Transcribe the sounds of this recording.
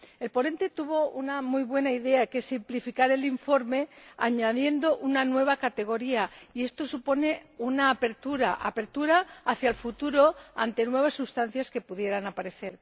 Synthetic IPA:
e̞lpo̞ne̞nt̪e̞t̪uβ̞o̞unamujβwe̞naiðe̞ake̞simplifikaɾe̞liɱfo̞ɾme̞aɲaðje̞nd̪o̞ʔunanwe̞β̞akat̪e̞ɣ̞o̞ɾiaie̞st̪o̞supo̞ne̞unaːpe̞ɾt̪uɾa̰ʔa̰pe̞ɾt̪uɾaːθjalfut̪uɾo̞a̰nt̪e̞nwe̞β̞asːust̪an̟θjaske̞puðje̞ɾanapaɾe̞θe̞ɾ

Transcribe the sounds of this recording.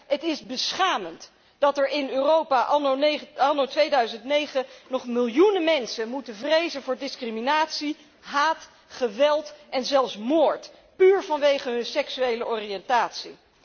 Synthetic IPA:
ɦətɪzbəsχaːmənt | d̥ɑtɛɹɪnøːrowpaʔ | ɑnotʋejdœɥzəntnejχənɔχmɪlˠjunəmɛnsənmutəvrejzənvʊːɹdɪskriminaːtsi | ɦaːt | χəʋɛlˠtʔɛnzɛlˠfsmoːɹt | pyːɹvɑnʋejχəɦɵnsɛksyejləʔɔriɛntaːtsi

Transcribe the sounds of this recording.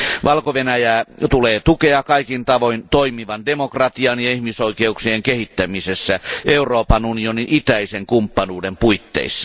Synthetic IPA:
ʋʔɑlkoʋenæjæːt̪uleːt̪ukeɑkɑikint̪ɑʋoint̪oimiʋɑndemokrɑt̪iɑnjɑihmisoikeuksieŋkehit̪ːæmisesːæʔeuroːpɑnunioninʔit̪æiseŋkumpːɑnuːdempuit̪ːḛisːɑ̥

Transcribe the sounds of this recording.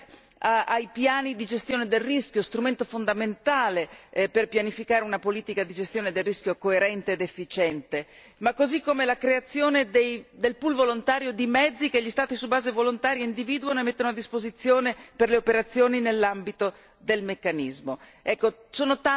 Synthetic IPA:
aajpjaːnid̪id͡ʒest̪joːned̪elriskjost̪ɾument̪ofond̪ament̪aːleperpjanifikaːɾeunapoliːt̪ikad̪id͡ʒest̪joːned̪elriskjokoeɾɛnt̪eːd̪efːit͡ʃɛnt̪e | makːozikːomelakɾeat̪sːjoːned̪ejd̪elpulvolont̪aːɾjod̪imɛd̪zːikeʎːist̪aːt̪isubaːzevolont̪aːɾjaind̪iviːd̪uanoemet̪ːonoad̪ːispozit̪sːjoːneperleopeɾat̪sːjoːninelːambit̪o | d̪elmekːanizmoɛkːo | soːnot̪a

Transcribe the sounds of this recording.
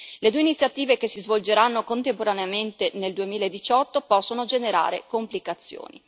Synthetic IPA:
led̪ueinit̪sːjat̪iːvekesːizvold͡ʒeɾanːokont̪empoɾaneament̪eneld̪uemiːlaed̪ːit͡ʃɔt̪ːopɔsːonod͡ʒeneɾa̰ːɾḛkomplikat̪sːjo̰ːnḭ

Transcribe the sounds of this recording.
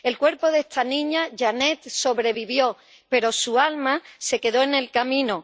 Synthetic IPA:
e̞lkwe̞ɾpo̞ðest̪ʰanĩɲaʝane̞t̪so̞βɾe̞βiβjo̞ | pe̞ɾo̞sualmase̞ke̞ðo̞e̞ne̞lkamĩno

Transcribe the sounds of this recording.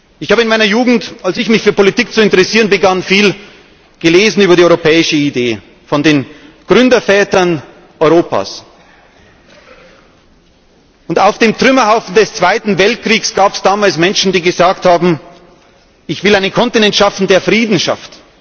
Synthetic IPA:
ʔɪçhaːbəɪnmaɪnɐjuːɡŋ̩talsɪçmɪçfyːɐpʰolitiːk̚t͡suɪntəʁɛsiːʁənbəɡanfiːl | ɡ̥əleːzn̩yːbɐɾiːɔʏʁopʰɛːɪʃəideː | fɔndeːnɡ̥ʁʏndɐfɛːtɐn | ʔɔʏʁoːpʰa̰ːs | ʊntaʊfd̥eːmtʁ̥ʏmɐhaʊfn̩dɛst͡sv̥aɪtn̩vɛlt̚kʁ̥iːksɡ̥aːpɛsd̥aːmaːlsmɛnʃn̩diːɡəzaːkthaːbm̩ | ʔɪçv̥ɪlaɪnənkʰɔntinɛntʃafn̩deːɐfʁ̥iːdn̩ʃa̰ft

